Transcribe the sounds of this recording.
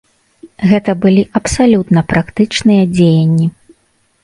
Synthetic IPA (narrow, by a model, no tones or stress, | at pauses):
ɣɛt̪ɐbɨlʲiʔɐpsalʲut̪nɐpɾakt̪ɨt͡ʂnɨjɐd͡zʲejɐnʲːi